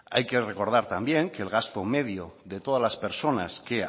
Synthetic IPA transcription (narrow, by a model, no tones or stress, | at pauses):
ajke̞re̞ko̞ɾð̞aɾt̪ambje̞ŋke̞ːlɣ̞ast̪o̞me̞ðjoðe̞t̪o̞ð̞alaspe̞ɾso̞na̰ske